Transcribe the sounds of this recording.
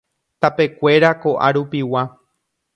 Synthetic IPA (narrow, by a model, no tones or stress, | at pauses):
t̪ape̞kʷe̞ɾako̞ʔa̰ɾupiwa